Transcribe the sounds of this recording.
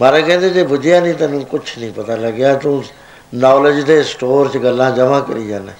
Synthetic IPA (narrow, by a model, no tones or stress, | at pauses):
maːɾẽːkɛ̃ːnd̪eːd͡ʒeːbʊd͡ʒjaːnĩːt̪ãːnũːkʊt͡ʃʰnəĩːpət̪aːləɡaːt̪ũː | naːləd͡ʒd̪eːsʈoːɾt͡ʃɡəlːãːd͡ʒəmãːkə̰ɾiːd͡ʒaːneː